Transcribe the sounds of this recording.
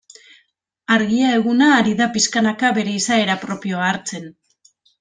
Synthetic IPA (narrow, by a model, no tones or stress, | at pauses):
aɾɣiae̞ɣunaːɾiðapiskanakaβe̞ɾe̞isae̞ɾapɾo̞pio̞aːɾt͡se̞n